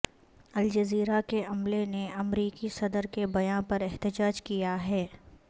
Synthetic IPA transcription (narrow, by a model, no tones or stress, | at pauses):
ɐld͡ʒɐziːɾakeɐmleneɐmɾiːkisɐd̪əɾkebɐjãpɐɾɛɦt̪ɪd͡ʒaːd͡ʒkijaɦɛː